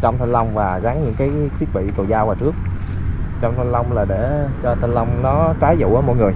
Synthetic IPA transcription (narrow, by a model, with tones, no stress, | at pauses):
t͡ɕɔ˧wŋ͡mt̪ʰa˧nlə˧wŋ͡mvaː˨˩ɣa˨˦ŋɲɨ̰˧˥ŋkaː˨˦jt̪ʰi˦˥t̚vḭ˧˨kə˨˩wzaː˧waː˨˩t͡ɕɨ˦˥ək̚ | t͡ɕɔ˧wŋ͡mt̪ʰa˧nlə˧wŋ͡mlaː˨˩ɗe˧˩t͡ɕɔ˧t̪ʰa˧nlə˧wŋ͡mnɔ˨˦kaː˨˦jzṵ˧˨ʔəː˧˦mɔ̰˧˨jŋɨ˨˩əj